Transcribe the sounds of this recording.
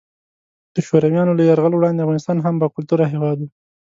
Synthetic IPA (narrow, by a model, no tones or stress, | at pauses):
d̪̥əʃoɾawjɑnolajaɾɣalowɽɑnd̪eafvɣɑnɪst̪ɑnɦambakʊlt̪uɾaɦewɑd̪wu